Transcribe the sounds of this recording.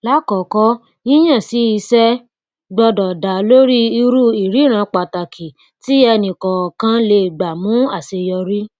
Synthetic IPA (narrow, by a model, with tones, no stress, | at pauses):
la˦kɔ˨kɔ˦ | ĩ˦j̃ã˦˨si˨˦i˧sɛ˦ | ɡ͡bɔ˧dɔ˨da˨lo˦ɾi˦i˧ɾu˦˨i˨ɾi˨˦˨ɾ̃ã˧˦k͡pa˨ta˨kʰi˨ | ti˦ɛ˧nĩ˨kɔ˨kã˦le˧˨ɡ͡ba˨mũ˨˦a˨se˧jɔ˧ɾi˦